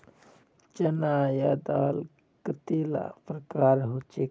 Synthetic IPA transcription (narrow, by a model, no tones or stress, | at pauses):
t͡ʃɐnajaːd̪aːl | kət̪eːla̰pɾəkaːɾɦot͡ʃe